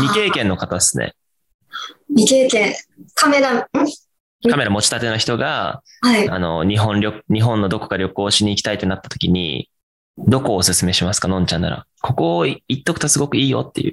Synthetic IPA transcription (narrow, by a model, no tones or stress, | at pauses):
mʲike̞ːkẽ̞nːo̞kat̪ad̪esɨ̥nḛ | mʲike̞ːkẽkameɾã | kame̞ɾamo̞t͡ɕi̥t̪at̪e̞naçi̥t̪oɡa̰ | aia̰no̞̰ɲ̟iɦõ̞nɾʲo̞ɲ̟iɦõ̞nːo̞d̪o̞ko̞̥ɡaɾʲo̞kɯoːɕiɲ̟iːkʲi̥t̪ait̪e̞nat̪ːḁt̪o̞̥kʲiɲ̟ḭ | d̪o̞ko̞ːsɨsɨme̞ɕimasɨ̥kanõɲ̟t͡ɕãnːa̰ɾa̰ | kʰo̞ko̞ːit̪ːo̞kɯ̟t̪asɨɡo̞kɯ̟iːjo̞̰t̪ːe̞̰jɯ̟̰ː